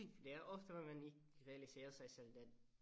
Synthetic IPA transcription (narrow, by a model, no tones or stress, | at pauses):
d̪ɛæɾɔft̪əʋɛmɛnɪkʁɛɑlɪseːʁəsæɪsɛld̪ɛ